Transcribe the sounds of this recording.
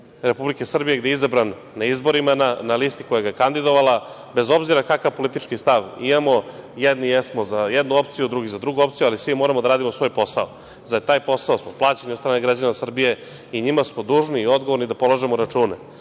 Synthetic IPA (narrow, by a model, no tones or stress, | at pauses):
ɾepublikesr̩bije̞ɡd̪eizabɾanːaizbo̞ɾimananalist̪ikojaɡakand̪id̪o̞ʋala | bezo̞bziɾakakaʋpo̞lit̪it͡ʃkist̪aʋimamo̞jɛd̪nijɛsmo̞zajɛd̪nuo̞p̚t̪sijud̪ɾuɡizad̪ɾuɡuo̞pt̪sijualisʋimoɾamod̪aɾaːd̪imo̞sʋo̞jpo̞sao | zat̪aːjpo̞saosmoplˠaːt͡ɕenɲiod̪st̪ɾaːneɡɾad͡ʑanasr̩bije̞ | iɲimasmo̞d̪uːʒniːo̞d̪ɡoʋo̞ɾnid̪apo̞lˠaʒemoɾat͡ʂuːne